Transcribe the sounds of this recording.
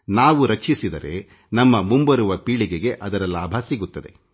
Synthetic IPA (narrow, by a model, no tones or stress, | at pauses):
naːʋuɾɐkʂisid̪ɐɾe̞̰ | nɐmːɐmumbɐɾuʋɐpiːɭiɡeɡe̞ʔɐd̪ɐɾɐlaːbʱɐsiɡut̪ːɐd̪e̞̰